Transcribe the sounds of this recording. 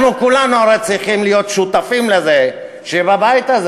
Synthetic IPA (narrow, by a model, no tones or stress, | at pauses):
nukulanuaɾejt͡sʁiχimlijo̞t̪ʃut̪afimleze | ʃebabajt̪az